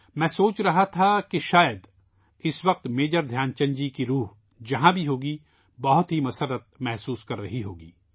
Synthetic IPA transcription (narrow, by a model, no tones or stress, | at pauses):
mɛ̃ːsoːt͡ʃɾɐɦat̪ʰakeʃaːjəd̪ | ɪsʋɐq̚t̪meːd͡ʒəɾd̪ʱjaːnt͡ʃɐ̃ɲd͡ʒikiɾuːɦ | d͡ʒɐɦãbʱiɦoːɡi | bɐɦʊt̪ɦimɐsəɾːət̪̚mɛɦsuːskɐɾːɐɦiɦoːɡḭː